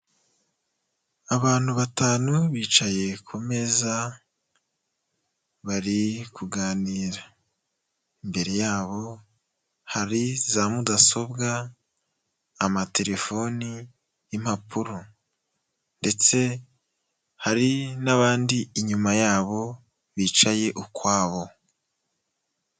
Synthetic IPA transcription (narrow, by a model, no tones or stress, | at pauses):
aβaːn̥huβataːnuβiːt͡ʃaje̞kʰome̞za | βaɾikʰuɡaːniːɾa | imbe̞ɾe̞jaːβo̞ | haɾizamudaso̞bɡa | matʰe̞ɾe̞fo̞ni | im̥hapuɾo | nde̞t͡se̞ | haɾinaβaːndiːɲumajaːβo̞ | βiːt͡ʃaje̞ʔukwaːβo̞